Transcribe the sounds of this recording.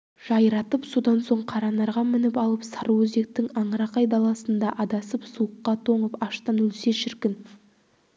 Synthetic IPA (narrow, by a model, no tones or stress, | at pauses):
ʒ̥ɑjɾɑt̪əpsod̪ɑnso̞ɴqʰɑɾɑnɑɾʁɑmɪnɪpɑlˠəpsɑɾuwɵze̞k̚t̪ɪŋɑɴɾɑqɑjd̪ɑlˠɑsənd̪ɑʔɑd̪ɑsəpsuəqːɑt̪ʰo̞ɴəpɑʃt̪ɑnɵlse̞ʃɪɾkʲɪn